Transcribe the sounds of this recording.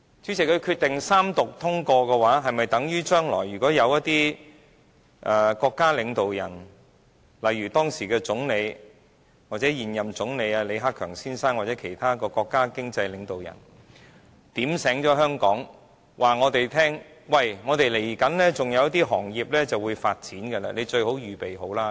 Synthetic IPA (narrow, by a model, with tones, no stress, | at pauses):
t͡syː˨˥t͡sʰɪ˨˩kʰɵ˨˧kʰyː˧t̪ːɪ˨ŋsaː˥mt̪ʊ˨k̚t̪ʰʊ˥ŋkɔː˧kɛː˧waː˨˥ɦɐ˨jmɐ˨jt̪ɐ˨˥ŋjyː˥t͡ʃœː˥ŋlɔː˨˩jːyː˨˩kɔː˨˥jɐ˨˧wjɐ˥t̚t̪iː˥ | ʔɐː˨˩kɔː˧kːaː˥lɪ˨˧ŋt̪o˨wjɐ̰˨˩n | lɐ˨jyː˨˩t̪ɔː˥ŋsiː˨˩kɛː˧t͡sʊ˨˥ŋle˨˧j | waː˨t̚t͡sɛː˨˥jiː˨njɐ˨˩mt͡sʊ˨˥ŋle˨˧jaː˧le˨˧jɦaː˥kʰœː˨˩ŋsiː˥nsaː˥ŋwa˨t̚t͡sɛː˨˥kʰe˨˩jt̪ʰaː˥kɔː˧kɔː˧kːaː˥kɪ˥ŋt͡sɐ˧jlɪ˨˧ŋt̪o˨wjɐ̰˨˩n | t̪iː˨˥msɛː˨˥ŋt͡ʃɔː˨˥ɦœː˥ŋkɔː˨˥ŋ | wʔaː˨ŋɔː˨˧t̪e˨jt̪ʰɛː˥ŋ | wɐ˨jŋɔː˨˧t̪e˨jle˨˩jkɐ˨˥nlɛː˥t͡sʊ˨ŋjɐ˨˧wjɐ˥t̪̬iː˥ɦɔː˨˩ŋjiː˨p̚lɛː˥t͡sɐ˨wuː˨˧jfaː˧t̚t͡siː˨˥nkɐ˧la̰ː˧le˨˧t͡ʃɵ˧ɥho˨˥wjyː˨˩pe˨jɦo˨˥wlaː˥